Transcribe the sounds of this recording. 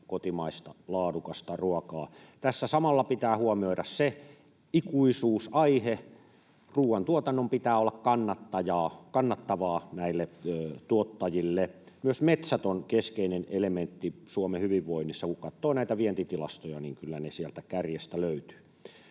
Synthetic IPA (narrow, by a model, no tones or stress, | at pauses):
kot̪imɑist̪ɑlɑːdukɑst̪ɑruɔkɑːt̪æsːæsɑmɑlːɑpit̪æːhuomioiɾɑsse | ikuisuːsɑihe | ruːwɑnt̪uot̪ɑnːompit̪æːolːɑkkɑnːɑt̪ːɑjɑːkɑnːɑt̪ːɑʋɑːnæilːet̪uot̪ːɑjilːe | myøsmet̪sæt̪onkeskeinenelement̪ːisuomehyʋiʋːoinːisːɑkukɑt̪ːoːnæit̪æʋient̪it̪ilɑ̰st̪ojɑniːŋkylːænesiælt̪ækærjest̪æløyt̪y̥ː